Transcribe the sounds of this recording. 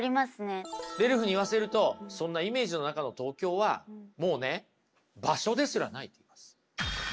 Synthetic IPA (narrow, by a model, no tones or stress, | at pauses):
ɾʲimasɨned̪e̞ɾɯ̟ɸɯ̟ɲ̟iβ̞ase̞ɾɯ̟t̪o̞sõ̞nːaime̞ːʑino̞nakano̞t̪o̞ːkʲo̞ːβamo̞ːne̞ | baɕo̞d̪e̞sɨɾa̰nait̪ːe̞imasɨ̥